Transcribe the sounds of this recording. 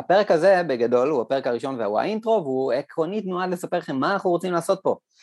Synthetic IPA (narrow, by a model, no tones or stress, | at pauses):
ape̞ʁekaze̞beɡado̞luape̞ʁekaʁiʃo̞nveawa̰ʔintʁo̞vuekʁo̞nitnoad̪le̞sape̞ʁχemːanaχuʁot͡simlaːso̞t̪̚po̞